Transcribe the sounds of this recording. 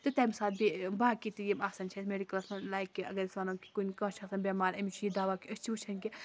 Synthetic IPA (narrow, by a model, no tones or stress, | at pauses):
t̪ɨt̪aːjmsaːt̪̚bibaːkit̪ɨjimaːsɐnt͡ʃʰɐsmeːɖikɐlɐsɐnlaːjkːiʔɐ̰ɡɐɾisʋaːnɐ̃ːki̥kunkãːt͡ʃʰɐsɐnbʲaːmaːɾɐmʲit͡ʃʰujid̪aːʋakiɐst͡ʃʰiut͡ʃʰɐnki